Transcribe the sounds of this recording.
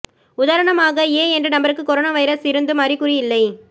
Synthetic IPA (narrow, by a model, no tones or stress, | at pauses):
ʊðaːɾɐɳɐmaːɣɐeːɛndrɐnɐmbɐɾɯkːɯkɔɾoːnaːʋɐjɐɾɐsɪɾɯnd̪ɯmɐːɾrikːʊrɪjɪlːɐɪ